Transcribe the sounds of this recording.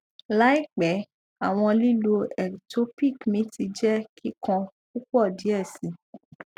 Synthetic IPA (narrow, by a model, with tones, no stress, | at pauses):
la˦i˦˨k͡pɛ˨˦ | a˨w̃ɔ̃˧li˦lo˧ɛ˨to˦pi˦˨kmĩ˨˦ti˧d͡ʒɛ˦ki˦kã˧ | ku˦k͡pɔ˦˨di˨˦ɛ˦˨si˨˦